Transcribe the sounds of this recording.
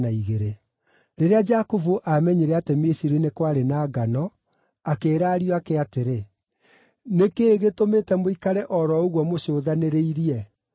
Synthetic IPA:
aiɣeɾe | ɾeɾead͡ʒakovuʔamɛɲeɾɛatemesiɾinekwaɾenaːɡanɔ | akeːɾaːɾijoakɛateɾe | nekeːɣetomeːtɛmoikaɾɛʔɔɾɔoɣwɔmoɕoːðaneɾeiɾiɛ

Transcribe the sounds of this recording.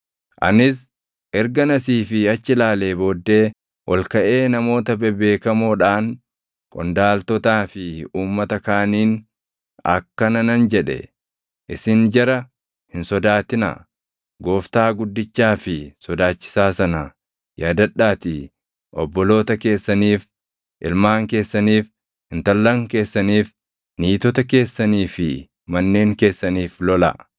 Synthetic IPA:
ʔɐ̰nɪs | ʔɛɾɡɐnɐsiːfɪɐt͡ʃːɪlaːle̞ːbo̞ːd̪ːe̞ː | wʔɔlkɐʔe̞ːnɐmo̞ːt̪ɐbɛbe̞ːkɐmoːᶑaːŋ | kʼɔnd̪aːlt̪ɔt̪aːfɪuːmːɐt̪ɐkaːniːn | ɐ̰kːɐnɐnɐnd͡ʒɛᶑɛ̰ | ʔɪsɪnd͡ʒɛɾɐ | hɪnsɔd̪aːt̪ɪna̰ | ɡo̞ːft̪aːɡʊd̪ːɪt͡ʃːaːfɪsɔd̪aːt͡ʃːɪ̥saːsɐnɐ | jaːd̪ɐᶑːaːt̪iː | ʔɔbːɔlo̞ːt̪ɐke̞ːsːɐniːf | ʔɪlmaːŋke̞ːsːɐniːf | hɪnt̪ɐlːɐŋke̞ːsːɐniːf | niːt̪ɔt̪ɐke̞ːsːɐniːfɪ | mɐnːe̞ːŋke̞ːsːɐniːflɔlɐ̰

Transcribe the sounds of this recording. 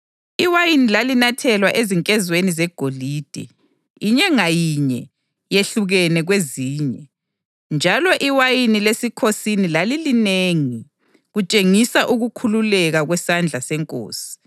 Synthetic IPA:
iwajinilalinatʰɛlwaʔeziŋkʼɛzwenizɛɡ̥ʱoliːd̥ʱɛ̰ | iɲɛŋajiɲɛ | jeɬuɣɛnɛɣweziːɲɛ | nd͡ʒʱalɔʔiwajinilesikʰosinilalilineːŋi | ɣut͡ʃʼeŋisaʔuɣukʰululɛɣaɣwɛsand͡ɮʱasɛŋkʼo̰ːsi̥

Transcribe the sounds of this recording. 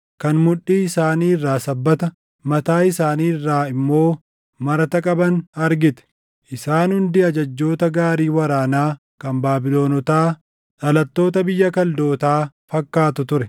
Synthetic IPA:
kɐnmʊᶑiːɪsaːniːɪrːaːsɐbːɐt̪ɐ | mɐt̪aːɪsaːniːɪrːaːɪmːo̞ː | mɐɾɐt̪ɐkʼɐbɐnɐɾɡɪt̪ɛ̥ | ʔɪsaːnhʊnd̪iɐd͡ʒɐd͡ʒːo̞ːt̪ɐɡaːɾiːwɐɾaːnaː | kɐmbaːbɪlo̞ːnɔt̪aː | ᶑɐlɐt̪ːo̞ːt̪ɐbɪjːɐkɐld̪o̞ːt̪aːfɐkːaːt̪ʊt̪ʊɾɛ

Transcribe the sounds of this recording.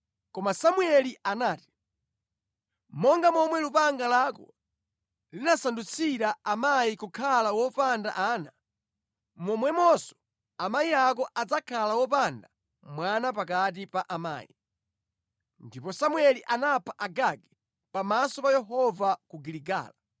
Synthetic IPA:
kɔmasamwɛliʔanaːti̥ | mɔŋɡamɔmwɛlupaŋɡalakɔ̰ | linasandut͡sʰiɾaamaikukʰalawɔpanda̰ʔaːna | mɔmwɛmɔsɔ̥ | amaiak̬ɔʔad͡zakʰalawɔpanda | mwanap̬ak̬at̬ipaʔama̰ːjḭ | ndipɔsamuɛliʔanapʰaʔaɡaɡɛ | pamasɔpajɛɦɔvakuɡiliɡa̰ːla

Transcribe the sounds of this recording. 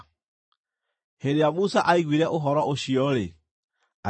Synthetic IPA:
heɾejamusaʔaiɡwiɾɛʔoɦɔɾɔʔoʃiɔɾḛ | a

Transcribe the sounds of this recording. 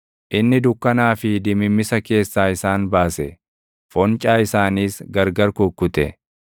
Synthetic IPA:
ʔɪnːɪd̪ʊkːɐnaːfɪd̪ɪmɪmːɪsɐke̞ːsːaːɪsaːnbaːsɛ̰ | fɔnt͡ʃʼaːɪsaːniːsɡɐɾɡɐɾkʊkːʊt̪ɛ̰

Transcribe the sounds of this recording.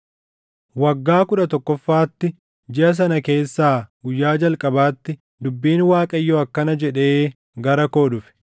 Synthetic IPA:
wɐɡːaːkʊᶑɐt̪ɔkːɔfːaːt̪ːɪ | d͡ʒɪɐs̬ɐnɐke̞ːsːaːɡʊjːaːd͡ʒɐlkʼɐbaːt̪ːɪ | d̪ʊbːiːnwaːkʼɐjːɔɐkːɐnɐd͡ʒɛᶑe̞ː | ɡɐɾɐko̞ːᶑʊfɛ̥

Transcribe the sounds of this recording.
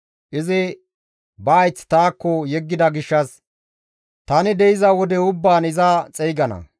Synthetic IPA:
ʔɪzɪ | bɐːjt͡sːt̪aːkːɔjɛɡːɪd̪ɐɡɪʃːɐs | t̪ɐnɪd̪ɛɪzɐwɔd̪ɛʊbːaːnɪzɐt͡sʼɛjɡɐnɐ̰

